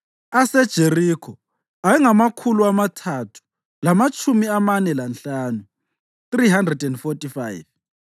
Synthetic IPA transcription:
asɛd̥ʒ̥ʱerikʰɔ | aɛŋamakʰuluamatʰatʰu̥ | lamat͡ʃʰʼumiamanɛlanɬaːnu | θriɦandrɛdɛndfotʼifajv

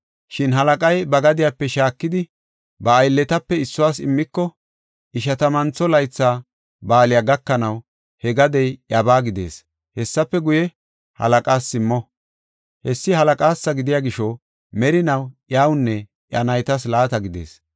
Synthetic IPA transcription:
ʃɪnɦɐlɐkʼɐjbɐɡɐd̪ɪjapːɛʃaːkːɪd̪ɪ | bɐːjlːɛt̪ɐpːɛɪsːʊwaːsɪ̰mːɪkːɔ | ʔɪʃ̬ɐt̪ɐmɐnt͡sːɔlɐjt͡sːaː | baːlɪjaɡɐkːɐnɐw | hɛɡɐd̪ɛjjɐbaːɡɪd̪e̞̰ːs | hɛsːɐpːɛɡʊjɛ | hɐ̰lɐkʼaːsːɪmːɔ | hɛsːɪhɐlɐkʼaːsːɐɡɪd̪ɪjaɡɪʃɔ | mɛɾɪnɐwʔjaːwnːɛ | ʔjɐnɐjt̪ɐs̬laːt̪ɐɡɪd̪e̞̰ːs

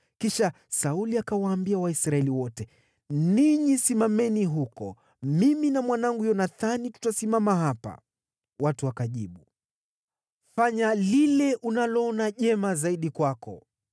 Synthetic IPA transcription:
kiʃa | sauliakawaːmbiawaisɾaɛliwɔtɛ | niɲisimamɛniɦukɔ | miminamwanaŋɡujɔnaθanitu̥tasimamaɦapa̰ | watuakaʄiɓu | faɲalilɛʔunalɔɔnaʄɛmazaiɗikwakɔ

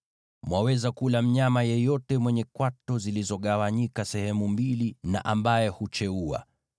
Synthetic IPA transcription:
mwawɛzakulam̩ɲamajɛjɔtɛmwɛɲɛkwatɔzilizɔɠawaɲikasɛhɛmumbilina̰ʔambajɛhut͡ʃɛua̰

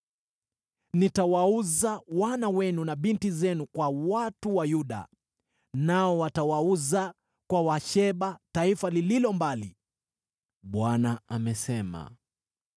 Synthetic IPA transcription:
nitawauzawanawɛnunaɓintizɛnukwawatuwajuɗa̰ | naɔwatawauza | kwawaʃɛɓataifalililɔmbali | ɓwanaamɛsɛma̰

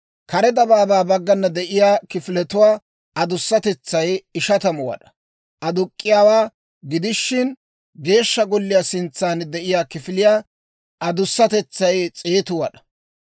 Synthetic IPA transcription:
kɐɾɛd̪ɐbaːbaːbɐɡːɐnːɐd̪ɛʔɪjaːkɪfɪlɛt̪ʊwaː | ɐd̪ʊsːɐt̪ɛt͡sːɐjɪʃɐt̪ɐmʊwɐ̰ᶑɐ̥ | ʔɐd̪ʊkʼːɪjaːwaː | ɡɪd̪ɪʃːɪn | ɡe̞ːʃːɐɡɔlːɪjaːsɪnt͡sːaːnd̪ɛʔɪjaːkɪfɪlɪjaː | ʔɐd̪ʊsːɐt̪ɛt͡sːɐjt͡sʼeːt̪ʊwɐɗɐ̥

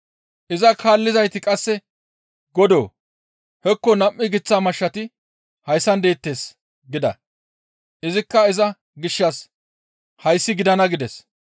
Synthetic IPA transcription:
ʔɪzɐkʰaːlːɪzɐjt̪ɪkʼɐsːɛ | ɡɔd̪o̰ː | hɛkːɔnɐmʔːɪɡɪt͡sːaːmɐʃːɐt̪ɪ | hɐjsːɐnd̪e̞ːt̪ːe̞ːs | ɡɪd̪ɐ̰ | ʔɪzɪkːɐɪzɐ | ɡɪʃːɐs | hɐjsːɪɡɪd̪ɐnɐɡɪd̪ɛs

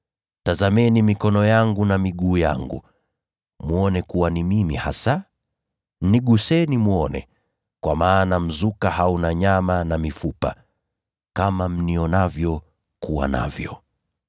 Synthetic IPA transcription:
tazamɛnimikɔnɔjaŋɡunamiɠuːja̰ŋɡṵ | muɔnɛkuwanimimihasa | niɠusɛnimuɔnɛ̰ | kwamaːnam̩zukahaunaɲamanamifupa̰ | kamam̩niɔnavjɔ | kuwa̰na̰vjɔ

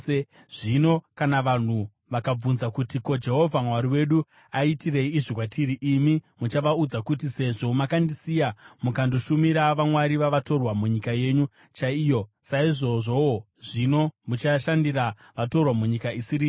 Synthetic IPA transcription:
e | ʐ̥ino̞kanaʋan̤u | ʋakab͡vunzakutiko̞d͡ʒe̞ɦo̞vʱamwaɾiwe̞ɗu | aitire̞iːʐikwatʰiɾiʔimimut͡ʃaʋaud͡zakutise̞ʐo̞makandisijamukanduʃumiɾaʋamwaɾiʋaʋato̞rwamuɲikaje̞ːɲu | t͡ʃaijo̞ | saiʐo̞ʐo̞wo | ʐino̞mut͡ʃaʃandira | ʋato̞rwamuɲikaisiɾiː

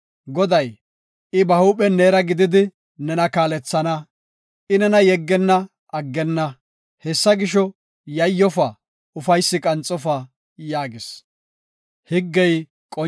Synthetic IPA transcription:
ɡɔd̪ɐj | ɪbɐhuːpʼɛneːɾɐɡɪd̪ɪd̪ɪ | nɛnɐkaːlɛt͡sːɐnɐ | ʔɪnɛnɐjɛɡːɛnːɐ | ɐɡːɛnːɐ | hɛsːɐɡɪʃɔ | jɐjːɔfɐ | ʊfɐjsːɪkʼɐnt͡sʼːɔfɐ | jaːɡɪs | hɪɡːɛj | kʼɔ

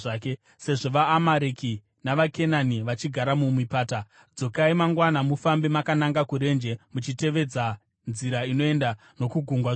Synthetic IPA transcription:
aːke | se̞ʐo̞ʋaːmaɾeki | naʋake̞naniʋat͡ʃiɡʱaɾamumipaːta | d͡zo̞kaimaŋɡwanamufambemakanaŋɡakuɾe̞nd͡ʒe̞mut͡ʃite̞ʋe̞d͡za | nziɾaino̞e̞nda | no̞kuɡʱuŋɡwa

